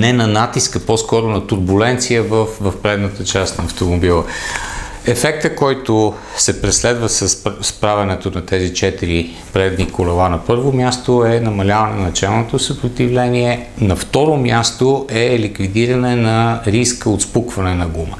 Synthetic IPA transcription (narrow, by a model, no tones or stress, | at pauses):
nɛnɐnat̪iskəpɔskɔɾonɐt̪uɾbulɛnt̪sijəvəfvəfpɾɛd̪nət̪ət͡ʃast̪nɐɐft̪omobilˠə | ɛfɛk̚t̪əkɔjt̪o | sɛpɾɛslɛd̪vəsəsspɾavɛnɛt̪onɐt̪ɛzit͡ʃɛt̪iɾi | pɾɛd̪nikʊlɐlˠanɐpɤɾvomʲjast̪oɛnɐmɐlʲavɐnɛnɐt͡ʃɛlˠnot̪osəpɾot̪ivlɛniɛnɐft̪ɔɾomʲjast̪oʔɛlikvid̪iɾɐnɛnɐɾiskəot̪spukvɐnɛnɐɡumə